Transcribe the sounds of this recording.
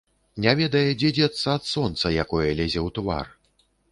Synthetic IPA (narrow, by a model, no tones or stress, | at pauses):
nʲavʲɛd̪ɐjɛd͡zʲɛd͡zʲɛt̪sːɐːt̪sɔnt̪sɐjakɔjɐlʲɛzʲɛwt̪va̰r